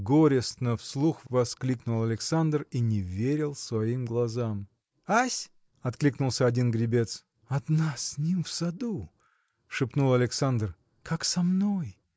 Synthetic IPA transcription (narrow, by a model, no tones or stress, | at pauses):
ɡoɾʲɪst̪nəfslˠuxvɐsklʲiknʊlˠɐlʲɪksand̪rinʲɪvʲeɾʲɪlˠsvɐimɡlˠɐzam | asʲ | ɐt̪klʲiknʊlˠsʲəɐdʲinɡɾʲɪbʲe̞t̪s | ɐd̪nasʲnʲimfsɐd̪u | ʂɨpnulˠɐlʲɪksand̪r | kʰaksɐmnoj